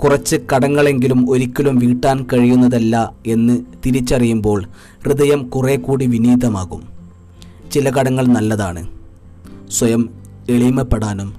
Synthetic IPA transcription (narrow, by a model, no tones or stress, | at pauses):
kurɐt͡ɕːɨkɐɽɐŋːɐɭe̞ŋɡilumo̞ɾikʲːɐlumʋiːʈːaːnkɐɻijunːɐðɐlːɐe̞nːɨt̪iɾit͡ɕːɐrijumbo̞ːɭ | rɨðɐjɐmkure̞ːkːuːɽiʋiniːd̪ɐmaːɣum | t͡ɕilɐkɐɽɐŋːɐɭnɐlːɐðaːɳɨ | swɐjɐm | eɭimɐpːeɽaːnum